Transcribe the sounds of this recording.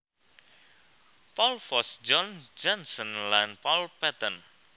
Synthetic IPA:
pɔlfɔsd͡ʒɔnd͡ʒɔnsɔnlanpɔlpɛt̪ən

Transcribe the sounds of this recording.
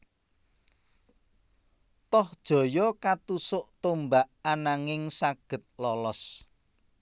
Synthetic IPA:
t̪ɔhd̥ʒ̥ɔ̤jɔkat̪usʊʔt̪ombaʔanaŋɪŋsaɡ̥ə̤t̪̚lɔlɔs

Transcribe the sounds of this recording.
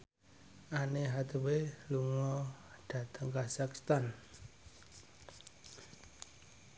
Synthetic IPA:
ʔaneɦat̪eweluŋɔd̥ä̤t̪əŋkasakst̪an

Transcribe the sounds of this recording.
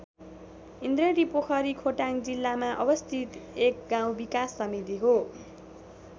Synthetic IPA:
ind̪reɖipokʰʌɾikʰoʈaŋd͡zilːamaʔʌbʌst̪ʰit̪ek̚ɡãw̃bikasːʌmit̪iɦo

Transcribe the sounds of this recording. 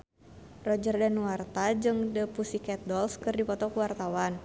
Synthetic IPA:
rɔd͡ʒərdanuwart̪ad͡ʒɨŋdəpusikɛt̪̚dɔlskɨrdipɔt̪ɔkəwart̪awan

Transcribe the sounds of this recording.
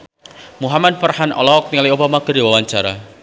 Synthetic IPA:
muɦamad̪̚fərhanɔ̰lɔk̚niŋaliobamaɡərdiwawaɲt͡ʃaɾa̰

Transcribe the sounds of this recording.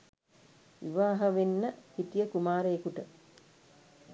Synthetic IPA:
ʋiʋaːɦəʋenːəhit̪ijəkumaːɾəːkuʈə

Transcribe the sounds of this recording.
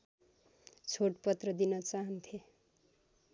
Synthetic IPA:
t͡sʰoʈpʌt̪rʌd̪inʌt͡saɦʌnt̪ʰe

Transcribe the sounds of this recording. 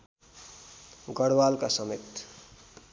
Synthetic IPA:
ɡʌɽwalkasəmet̪

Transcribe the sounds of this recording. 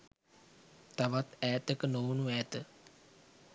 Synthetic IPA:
t̪ɐʋat̪ɛːt̪əkənoːnuɛːt̪ə

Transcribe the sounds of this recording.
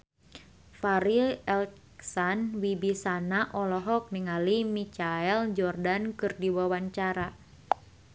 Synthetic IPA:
faɾilɛl | ksanwibisanaʔɔlɔɦɔk̚niŋalimit͡ʃaɛld͡ʒɔrdankɨrdiwawaɲt͡ʃaɾa

